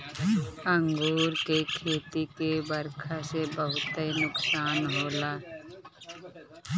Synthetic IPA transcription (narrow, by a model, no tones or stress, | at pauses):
ə̃ŋɡoːɾkekʰeːt̪ikebəɾkʰasebəɦʊt̪ːəinʊksaːnɦoːlaː